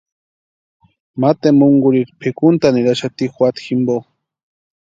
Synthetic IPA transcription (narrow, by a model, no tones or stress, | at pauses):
mat̪emuŋɡʊɾiɾpʰekʊnt̪aniɾaʃat̪ixwat̪ximbo